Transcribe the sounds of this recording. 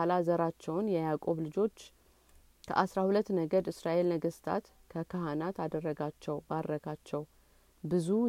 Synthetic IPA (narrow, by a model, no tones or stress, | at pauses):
alazəɾat͡ʃːɛwnjɛjakʼo̞βlɨd͡ʒo̞t͡ʃː | kʰə̰ʔasɾahulət̪ːnəɡəd̪ɨsɾaʔe̞lməɡəst̪ʰa̰t̪ | kʰəkʰaɦanat̪ad̪ərːəɡat͡ʃːɛwbad̪ɾəkʰat͡ʃːɛw | bɨzu